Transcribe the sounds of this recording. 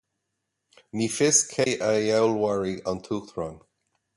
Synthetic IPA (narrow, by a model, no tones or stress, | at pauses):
miːfɪskʰejʔəjawlwaɹiɔnt̪ʰuːkθɹɔn